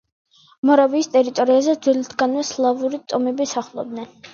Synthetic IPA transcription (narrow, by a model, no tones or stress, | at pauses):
mɔɾaviːst̪ʼɛɾit̪ʼɔɾiazɛd̪zwɛlit̪ʰɡanwɛslˠavuɾit̪ʼɔmɛbisaχlˠɔ̰b̚d̪nɛn